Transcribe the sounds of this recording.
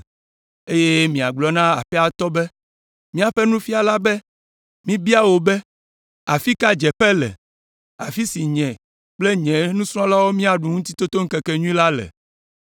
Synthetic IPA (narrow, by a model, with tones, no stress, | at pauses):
e˦je˦mĩ˨a˨ɡ͡blɔ˨nã˦a̰˨ɸɛ˦a˨t̪ɔ˦bɛ˦ | mĩ˦a˨ɸɛ˦nũ˦fi˦a˨la˦bɛ˦ | mĩ˦bi˦a˦wo˨bɛ˦ | a˨fi˦ka˦d͡ʒɛ˨pɛ˦lɛ̰˨ | a̰˨fi˦si˨ɲɛ̃˨ | k͡ple˦ɲɛ̃˨nũ˦sɾ̃ɔ̃˦la˦wo˦mĩ˦a˨ɖu˨ŋũ˦t̪i̥˦t̪o˦t̪o˦ŋ̩˦kɛ˨kɛ˨ɲũ˦ĩ˦la˦lɛ̰˨